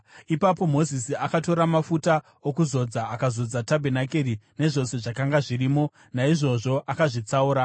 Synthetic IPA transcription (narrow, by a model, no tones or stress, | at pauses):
ipapo̞mo̞zisiakato̞ɾamafuta | okuzo̞d͡zaːkazo̞d͡zatabʱe̞nakerine̞ʐo̞se̞ʐakaŋɡaʐiɾiːmo̞ | naiʐo̞ʐo̞ʔakaʐit͡sauːɾa